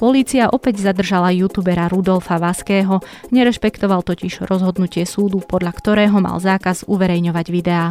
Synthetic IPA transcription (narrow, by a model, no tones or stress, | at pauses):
pɔliːt͡siaʔɔpɛɟzad̪r̩ʒalajuːt̪uːbɛɾaɾud̪ɔlfaʋaskɛːɦɔɲɛɾɛʃpɛkt̪ɔʋalt̪ɔciʒ̥ɾɔzɦɔd̪nucɪɛsuːd̪upɔd̪lʎakt̪ɔɾɛːɦɔma̰lzaːkazuʋɛɾɛjɲɔʋaɟʋid̪ɛaː